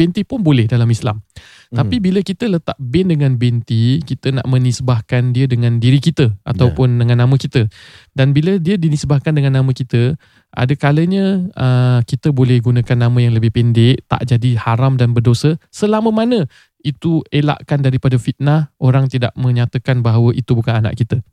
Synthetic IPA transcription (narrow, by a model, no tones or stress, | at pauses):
bɛnt̪ipʊnbolɛhdalamisla̰m | t̪apibiləkit̪ələt̪a̰ʔ̚bɪndəŋãnbɛnt̪ikit̪əna̰ʔmə̃nisbahkandiədəŋãndiɾikit̪əʔa̰t̪awpʊndəŋãnːamə̃kit̪ədanbilədiədinisbahkandəŋãnːãmə̃kit̪ə | ʔa̰dəkaləɲə̃əkit̪əbolɛhɡunə̃kanːamə̃jaŋləbɪhpɛndɪʔt̪a̰ʔd͡ʒadihaɾamdanbərdosəsəlamə̃manə̃ | it̪uela̰ʔkandaɾipadəfit̪̚nahʔoɾaŋt̪ida̰ʔmə̃ɲat̪əkanbaɦawəʔit̪ubukanana̰ʔkit̪ə